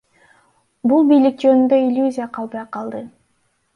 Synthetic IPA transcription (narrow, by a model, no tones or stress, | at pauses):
bulˠbijlik̚d͡ʒønynd̪øilʲjuzʲijaqʰɑlˠbɑjqʰɑlˠd̪ɯ